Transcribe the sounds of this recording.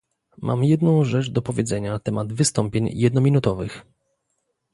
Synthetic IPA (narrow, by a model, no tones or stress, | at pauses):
mʔa̰mjɛd̪̚nɔ̃w̃ʐɛt͡ʂd̪ɔpɔvʲjɛzɛɲanat̪ɛmad̪vɘst̪ɔmpʲjeɲjɛd̪nɔmʲinut̪ɔvɘx